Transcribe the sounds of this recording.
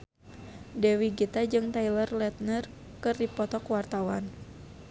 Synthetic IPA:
dɛwiɡit̪ad͡ʒɨŋt̪ajlərlɛt̪̚nər | kɨrdipɔt̪ɔkuwart̪awa̰n

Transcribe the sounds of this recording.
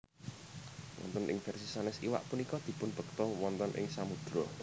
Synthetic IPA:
wɔ̰nt̪ɔnʔɪ̰ŋfɛrsisanɛsiwa̰ʔpunikɔd̪̥i̤pʊnb̥ə̤k̚t̪ɔwɔnt̪ɔnʔɪ̰ŋsamud̪̥ɾɔ

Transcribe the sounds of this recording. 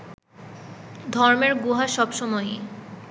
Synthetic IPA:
d̪ʱɔɾmeɾɡuɦaʃɔbʃɔmɔj

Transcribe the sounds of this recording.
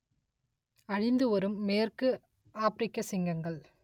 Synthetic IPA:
ɐɻɪnd̪ɯɔɾɯmːeːrkɯ | aːpɾɪkːɐsɪŋɡɐŋɡɐɭ

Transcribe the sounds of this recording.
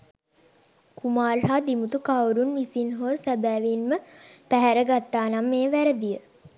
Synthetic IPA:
kumaːrɦaːd̪imut̪ukawɾunʋisinɦosæbæːʋinməpæɦæɾəɡat̪ːaːnamːeːʋæɾəd̪ijə

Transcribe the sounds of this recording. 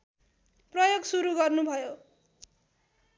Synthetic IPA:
prʌjoɡsuɾuɡʌrnubʱʌjo

